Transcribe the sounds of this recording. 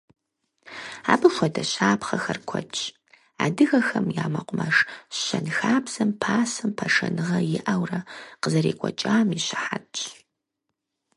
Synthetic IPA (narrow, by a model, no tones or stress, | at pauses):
aːbɨʃʷɔdɐɕaːpχɐxɐrkʷʰɔ̰t͡ʃʼ | aːdɨɣɐxɐmjaːmɐqʷʊmɐʂɕɐnxaːbzɐmpʰaːsɨmpʰɐʂɐ̰nɨʁɐjɪʔɐwrɐqəzɐɾḭːkʷʰɔt͡ʃʼaːmiɕɪħatʼ